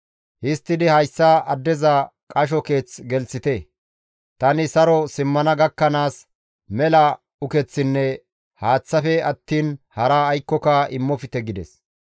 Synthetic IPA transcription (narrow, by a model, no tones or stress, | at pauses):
hɪst̪ːɪd̪ɪhɐjsːɐɐd̪ːɛzɐkʼɐʃ̬ɔke̞ːt͡sɡɛlt͡sːɪt̪ɛ | t̪ɐnɪsɐɾɔsɪmːɐnɐɡɐkːɐnaːs | mɛlɐ | ʊkɛt͡sːɪnːɛ | haːt͡sːɐfɛɐt̪ːiːnhɐɾaːjkːɔkaʔɪmːɔfɪt̪ɛɡɪd̪ɛs